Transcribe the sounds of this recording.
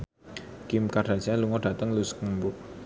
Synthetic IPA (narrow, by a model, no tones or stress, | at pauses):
kɪmkad̥ad͡ʒaluŋɔɖ̥ä̤t̪əŋluskəmbʊ